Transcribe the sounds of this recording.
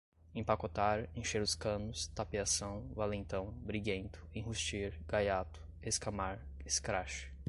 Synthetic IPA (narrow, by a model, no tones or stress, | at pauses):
ẽpakot̪aɾẽʃeɾʊskɐ̃nʊst̪apiasɐ̃w̃valẽnt̪ɐ̃w̃bɾiɡẽnt̪ʊ̥ẽɦust͡ʃiɾɡ̥ajat̪ʊ̥ | eskamaɾeskɾaʃɪ̥